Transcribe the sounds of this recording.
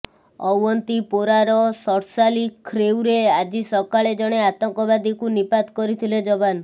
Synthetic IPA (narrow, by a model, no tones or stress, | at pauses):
ɔwɔnt̪ipoɾaɾɔsɔɾsalikʰːɾewɾead͡ʒisɔkaɭed͡ʒɔɽ̃eat̪ɔŋkɔbad̪ikunipad̪kɔɾit̪ʰiled͡ʒɔban